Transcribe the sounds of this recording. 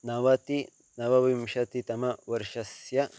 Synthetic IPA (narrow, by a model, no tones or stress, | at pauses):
nɐʋɐt̪i | nɐʋɐʋimʃɐt̪it̪ɐmɐwɐɾʃɐsjɐ